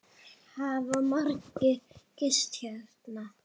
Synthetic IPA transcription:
havamaɾkɪcɪst̪çɛt̪na

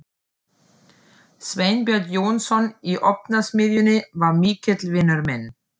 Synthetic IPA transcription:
svejnpjɔɾt̪jownsɔniʔɔpnasmɪðjʏnɪvaɾmikʰɛt̪lvɪnœɾmɛn

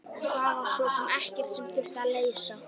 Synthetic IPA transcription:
aðasɔsɛmɛhcɛr̥t̪sɛmfɪl̥t̪aleːjsa

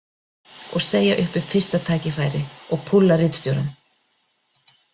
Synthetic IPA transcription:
ɔɣseːjaʔʏhpʏ̥fɪr̥st̪at̪ʰaːjcɪfaːjɾɪɔɣpʰʊlːarɪːt̪st̪jɔwɾan

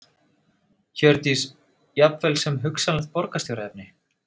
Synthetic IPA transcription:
çœɾt̪is | japvɛlsɛmɦʏksalaxt̪̚pɔɾkast̪jowɾaɛp̚nɪ

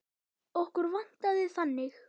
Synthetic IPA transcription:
ohkʏɾvan̥t̪aðɪθanːɪx

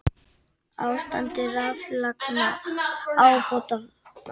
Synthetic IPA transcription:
awst̪a̰nt̪ɪraːflakna | awpot̪av

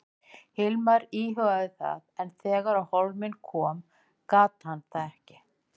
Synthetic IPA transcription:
hɪlmaɾiːɦœɣaðɪθa̰ðɛnθɛːɣaɾawholmɪnkʰɔːm | kaːt̪hanːθaðɛhcɪ

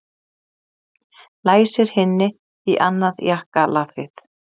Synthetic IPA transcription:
laːjsɪɾ̥hɪnːɪ | iʔanːaðjahkalafɪθ

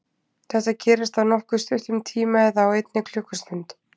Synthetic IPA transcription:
θɛht̪ːacʰɛːɾɪst̪awnɔhkʏst̪ʏht̪ʏmt̪ʰiːmaɛðaːwejt̪̚nɪkʰl̥ʏhkʏst̪ʏnt̪

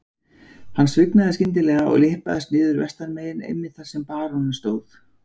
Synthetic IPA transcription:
hanːsvɪknaðɪscɪnt̪̬ɪlɛːɣaɔ̰ɣlɪhpaðɪst̪nɪːðʏɾvɛst̪aɾmeːjɪnḛjmːɪðθaɾ̥sɛmpaːɾonɪnst̪oːwθ

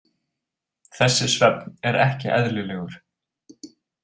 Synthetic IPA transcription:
θɛsːɪsvɛpnɛɾɛhcɪʔɛðlɪlɛːɣʏɾ̥

